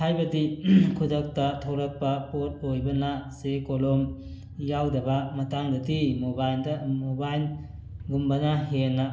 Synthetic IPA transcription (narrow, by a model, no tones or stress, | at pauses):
hajbɐdikʰudɐk̚tɐtʰowɾɐk̚pɐpot̚ojbɐnasekolom | jawdɐbɐmɐtaŋdɐdimobajldɐmobajl | ɡumbɐnɐɦenɐ